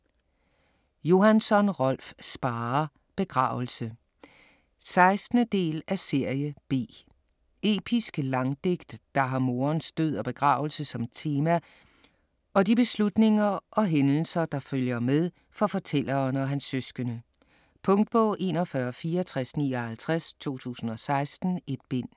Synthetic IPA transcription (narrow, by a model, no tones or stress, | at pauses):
jo̝ɦænsɒ̽nʁɒl̰fsb̥ɑːɐ | b̥e̝ɡ̥ʁɑ̰̈ːʊl̩sə | sɑ̈ɪsd̥nəd̥e̝̰ːlæse̝ɐ̰jəb̥e̝̰ː | e̝̰ːb̥ʰisɡ̥lɑ̈ŋd̥e̝ɡ̥d̥ːɑ̈ɦɑ̈mo̝ːɐnsd̥øð̞̰ˠɒb̥e̝ɡ̥ʁɑ̈ːʊl̩səsɒ̽mt͡sʰe̝ːmæ | ɒ̽dib̥e̝slud̥ne̝ŋɐʔɒ̽ɦenl̩sɐd̥ɑ̈føljɐmeð̞ˠ | fɒ̽fɒ̽t͡sʰel̰ɐnɒ̽ɦænsːøsɡ̥ənə | pʰɔŋd̥̚b̥ɔ̽ʔe̝̰ːnɒ̽fɶɐfiːɐɒt͡sʰʁasnḭːɒhælt͡sʰʁast͡sʰo̝̰ːt͡sʰṵːsn̩ɒ̽sɑ̈ɪsd̥n̩e̝d̥̚b̥e̝n̰